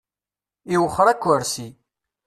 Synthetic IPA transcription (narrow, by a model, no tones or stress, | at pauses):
iwəχːəɾˤækʷːəɾsi